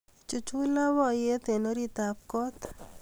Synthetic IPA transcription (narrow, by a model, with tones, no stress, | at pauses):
t͡ʃu˨t͡ʃu˦la˦wɔ˦je˦t̪e˨no˦ɾi˦t̪a˨p̚kɔ˦t̪